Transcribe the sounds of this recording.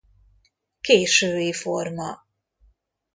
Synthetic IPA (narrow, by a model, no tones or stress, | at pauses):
keːʃøːiformɑ